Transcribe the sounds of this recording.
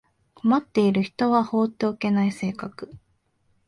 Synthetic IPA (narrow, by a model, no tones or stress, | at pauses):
ko̞mat̪ːe̞iɾɯ̟çi̥t̪o̞βaho̞ːt̪ːe̞oke̞naise̞ːkakɯ̟̥